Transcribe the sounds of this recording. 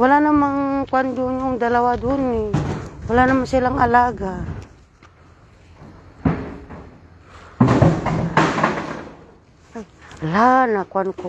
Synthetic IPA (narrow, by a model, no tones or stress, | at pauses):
walanamaŋkwand̪uɲoŋd̪alawad̪uniwalanamansilaŋalaɡa | ajlanakwanko